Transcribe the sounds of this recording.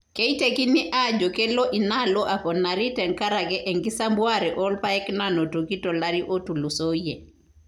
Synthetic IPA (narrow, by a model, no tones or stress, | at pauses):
kɛjtekiniʔad͡ʒɔkɛlɔʔinalɔʔapɔnːaɾitɛŋkaɾakɛʔɛŋɡisambwaɾɛʔɔlpaɛknanotokitɔlaɾiʔotulusojɛ